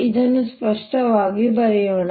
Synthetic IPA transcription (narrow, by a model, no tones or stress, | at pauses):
id̪ɐnːuspɐʂʈɐʋaːɡibɐɾijoɳ